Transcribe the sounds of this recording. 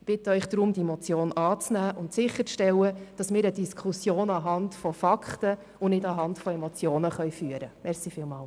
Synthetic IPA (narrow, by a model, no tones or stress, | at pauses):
b̥ɪtəœʏχd̥ɾʊmdiemɔt͡sjoːnɑːt͡snæːʔʊntsɪχəɾt͡sʃtɛlːəd̥ɑsmɪːɾəd̥iskʰχusjoːnɑɦɑntfɔfɑkχtə | ʊnɪdɑɦɑntfɔemɔt͡sjoːnəχœʏfyəɾəmɛɾsifɪːlmɑːl